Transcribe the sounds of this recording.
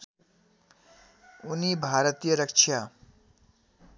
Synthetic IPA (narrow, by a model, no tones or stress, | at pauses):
unibʱaːɾət̪ijəɾʌkt͡ʃʰja